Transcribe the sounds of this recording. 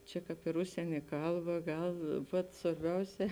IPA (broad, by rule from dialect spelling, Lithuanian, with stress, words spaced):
ˈt͡ʃʲɛ ˈkɑːp ɪr ˈʊʃʲsʲiɛnʲeː ˈkɐlˠˌbɐ ˈɡɐlˠ ˈʋɐt sʋɐrʲˈbʲɛʊˌsʲɛː